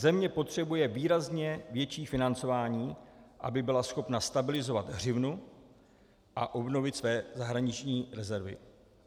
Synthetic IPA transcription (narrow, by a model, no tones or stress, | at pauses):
zɛmɲɛpo̞t̪r̝̥ɛbujɛviːɾazɲɛvjɛt͡ʃiːfɪnant͡so̞vaːɲiːʔa̰bɪbɪlasxo̞pnast̪abɪlɪzo̞vad̪ɦr̝ɪvnu | ʔaʔo̞bno̞vɪt̪svɛːzaɦɾaɲɪt͡ʃɲiːɾɛzɛɾvɪ̰